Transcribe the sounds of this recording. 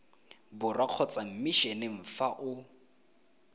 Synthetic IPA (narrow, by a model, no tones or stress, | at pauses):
bʊraq͡χʰɔt͡sʼam̩miʃɛneŋ̩faʔʊ